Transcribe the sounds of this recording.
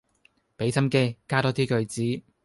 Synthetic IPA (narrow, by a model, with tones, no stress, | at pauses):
pe˨˥jt͡sʰɐ˥mke˥jkaː˥t̪ɔː˨˥t̪ʰiː˥kɵ˧ɥt͡siː˨˥